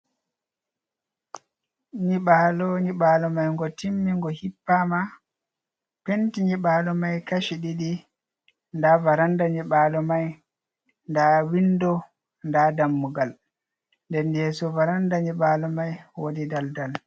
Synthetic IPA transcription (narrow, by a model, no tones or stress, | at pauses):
ɲiɓalɔɲiɓaːlɔmajŋɡɔtimːiŋɡɔhipːama | pentiɲiɓaːlɔmajkaʃiɗiɗi | ndavaɾandaɲiɓaːlɔmaj | ndawindɔ | ndadamːuɡal | ndɛndɛsɔvaɾandaɲiɓaːlɔmajwodidaldal